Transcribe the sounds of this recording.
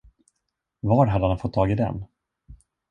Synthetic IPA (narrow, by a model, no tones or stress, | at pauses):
vɑːɾɦad̪əhanfɔt̪ʰːɑːɡɪd̪ɛ̰n